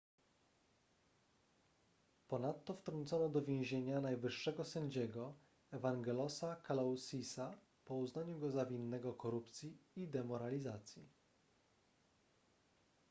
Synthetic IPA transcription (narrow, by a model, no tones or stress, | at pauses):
pɔnat̪ːɔft̪ɾɔnt̪sɔnɔd̪ɔvʲjẽw̃ʑeɲanajvɘʂːɛɡɔsɛɲd͡ʑɛɡɔ | ɛvaŋɡɛlɔsakalawsisa | pɔuznaɲuɡɔzavʲinːɛɡɔkɔɾupt̪sʲjiid̪ɛmɔɾalʲizat̪sʲji